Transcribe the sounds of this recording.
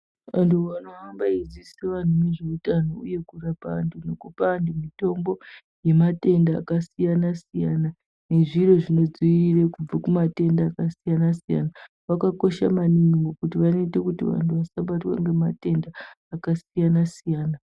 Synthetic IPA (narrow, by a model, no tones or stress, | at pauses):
antʰuwanoambaid͡ziseʋan̤umeʐeitanouje̞kurapaːndunokupaːndumito̞mbo̞ | je̞mate̞nda̰ːkasijanasijana | ne̞ʐiro̞ʐino̞d͡ziirekub͡vakumate̞ndaːkasijanasija̰na | ʋakako̞ʃa̰maniŋɡŋɡokutiʋano̞itekutḭʋa̰ntʰuʋasaɓatwa̰ŋɡe̞mate̞ndaː | kasijanasijaːna